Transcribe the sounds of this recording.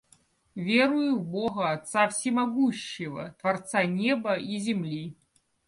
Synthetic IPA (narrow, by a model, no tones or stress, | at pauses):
vʲɛɾujuwbɔɣɐat̪sawsʲimaɣuɕːivɐ̰t̪vart̪sanʲɛbɐizʲɛmlʲi